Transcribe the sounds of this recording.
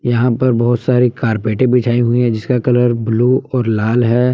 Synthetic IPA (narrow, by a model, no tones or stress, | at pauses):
jɐɦãpɐɾbɐɦʊt̪saːɾikaːɾpeːʈẽbɪt͡ʃʰaːĩɦʊiɦɛ̃d͡ʒɪskakɐləɾbluːɔːɾlaːlɦɛː